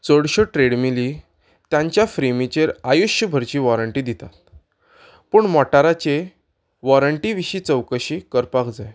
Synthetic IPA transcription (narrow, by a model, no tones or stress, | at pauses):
t͡səɽɕoʈɾeɽmili | t̪jãɲt͡ɕjafɾimit͡ɕeɾajuɕjəbʱəɾt͡ɕiːʋɔɾəɳʈiːd̪it̪at̪̚ | pəɳmɔʈaɾat͡ɕe | ʋɔɾəɳʈiʋiɕiːt͡səwkəɕiːkəɾpakd͡zaj